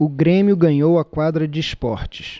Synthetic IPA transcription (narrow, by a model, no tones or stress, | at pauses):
ʊɡɾẽmiʊɡɐ̃ɲowɐkwad̪ɾɐd͡ʒɪispɔɾt͡ʃɪ̥s